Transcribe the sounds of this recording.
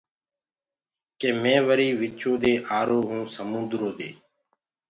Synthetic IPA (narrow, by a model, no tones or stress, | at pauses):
keːmẽːʋəɾiːʋɪt͡ʃoːd̪eːʔaːɾoːɦũːsəmʊ̃nd̪ɾoːd̪eː